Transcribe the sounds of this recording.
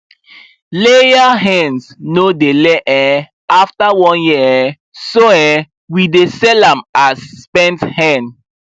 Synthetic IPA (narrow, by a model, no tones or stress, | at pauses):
lejaɦɛ̃nsnodeleʔɛ | aftawɔ̃nji | soɛ | widesɛlãmasːpɛ̃nthɛ̃n